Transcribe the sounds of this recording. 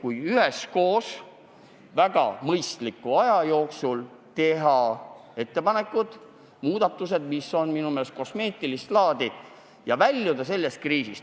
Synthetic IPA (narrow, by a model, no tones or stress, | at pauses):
kujyhesko̞ːs | væɡ̥ɑ̰mɤjst̪likːˑuɑjɑjo̞ːksul | t̪e̞ɦɑe̞t̪ːe̞pɑne̞kːˑud̪̥ | muːd̪̥ɑt̪ːˑus̬e̞d̪̥misːo̞nminumelest̪̚ko̞sme̞ːt̪ːˑilist̪lɑːd̪̥i | jɑvælʲːjud̪ɑs̬e̞lːe̞st̪̚kriːsist̪